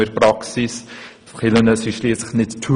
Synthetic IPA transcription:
ərprɐksis | fχilənəsisliətsəχnɛttʰu

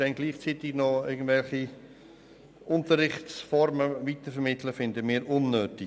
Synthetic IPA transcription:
ɛnɡliːχt͡siːt̪ɪɡ̥nɔɪɡən̩d̥vɛlχi | ʔʊntəɾɪχtt͡sfɔɾməʋit̪əfɛɾmɪt̪ʰləfɪnd̪əmɪːɾʔʊnːøːtɪ

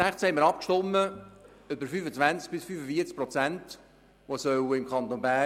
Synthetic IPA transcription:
æχt͡shɛɪməɾɑpkʃtɔmːə | ʏbəɾfyːfət͡svænt͡sk̚b̥ɪsfyːfəfiəɾt͡s̚pɾɔt͡sænt | ʋosœwəɪmkʰɑnt̪onbæː

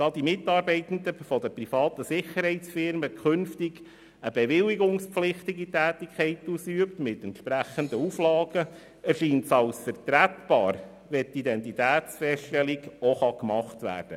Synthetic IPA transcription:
d̥ɑːd̥imɪtɑːɾbɛɪt̪ən̩d̪əfɔdəprifɑːtəsɪχəɾhɛɪtsfɪɾməkʰχʏnftɪɡ̥ | əb̥ɛʋɪlːiɡʊŋspflɪχtɪɡitæːtikχɛɪtusyəptmɪtɛntʃpɾæχənd̪əuflɑːɡ̥ə | æɾʃiːntsɑlsfəɾtɾætb̥ɑːɾ | ʋɛtidɛntitæːtsfɛstɛliɡɔχɑkmɑχtʋæ̰ːɾd̥ə

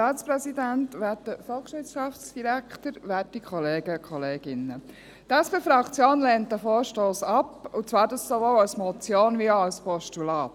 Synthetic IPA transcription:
tɑːtt͡spɾɛsidæntʋæːtəfɔlˠχʃɪsɑft͡sd̥iɾækt̪əɾʋæːtikʰχɔleːɡ̥əkχɔleːɡ̥ɪnːə | t̪ɛspeːfɾɑkt͡sjoːnlɛːntəfoːɾʃtoːsɑpʊt͡svɑːɾdɑssoʋowɑsmɔt͡sjoːnʋiɑlspɔʃtulɑːt̪

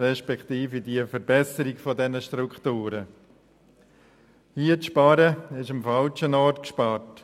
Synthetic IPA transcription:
ɾɛʃpɛkχtiːfidiːəfəɾbɛsəɾɪkfɔdɛnəʃtɾukχtuːɾə | hiətʃpɑɾəɪʃəmfalt͡ʃənɔɾtkʃpɑːɾt

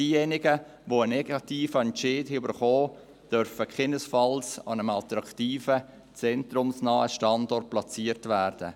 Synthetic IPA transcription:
diːjenɪɡə | voənɛɡɑtiːfəɛnɪːdɪʏbəɾχɔː | d̥œɾfəkʰɛnəsfɑlsɑ̰nəmɑltɾɑktiːfə | t͡sɛntrʊmsnɑːəʃtɑndɔrt̚plɑt͡siəɾtvæːɾd̥ə̰

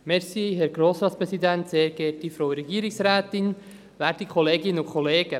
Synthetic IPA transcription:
mɛɾsiɦɛɾɡɾoːsɾɑːtspɾɛsidænt̪seːɾɡɛtifɾowəɾɛɡiːɾɪksɾaːt̪ɪn | væːɾd̥ikʰɔleːɡɪnəʊkʰɔleːɡ̥ə

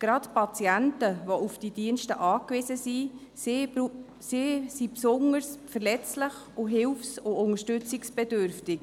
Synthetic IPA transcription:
ɡ̥ɾɑtpʰɑt͡siæntəvoufd̥id̥iənʃtəʔɑːkvɪsəsi | sisipsʊŋəɾsfəɾlɛt͡slɪχ | ʊɦɪlfsʊʔʊŋəʃtʏt͡sɪksb̥ɛdøɾftɪk

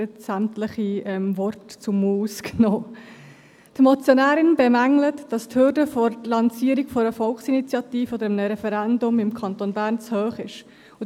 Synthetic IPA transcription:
ətsæmtləχiɛmvɔɾtt͡sʊmuːsknoː | t̪mɔt͡sjɔnæːɾɪnbemæŋlətd̥ɑsthʏɾdəfɔɾlɑnsiːəɾikfɔɾəfɔlksinit͡sjɑtiːfəɔd̪əɾəmnəɾɛfɛɾændʊmɪmkʰɑnt̪onbæːɾnt͡shøːχɪʃ | ʊ

